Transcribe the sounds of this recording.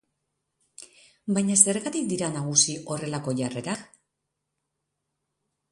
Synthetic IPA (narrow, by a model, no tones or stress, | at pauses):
bajɲase̞ɾɣat̪ikd̪iɾanaɣ̞usiʔo̞re̞lako̞ʝare̞ɾak